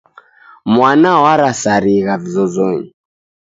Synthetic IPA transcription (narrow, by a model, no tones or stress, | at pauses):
mwanawaɾasaɾiɣavizɔzɔɲi